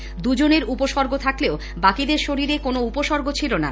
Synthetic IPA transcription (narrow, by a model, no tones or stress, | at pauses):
d̪ud͡ʑoneɾupoʃɔɾɡʱot̪ʰakleo | bakid̪eɾʃoɾiɾekonoupoʃɔɾɡot͡ɕʰilona̰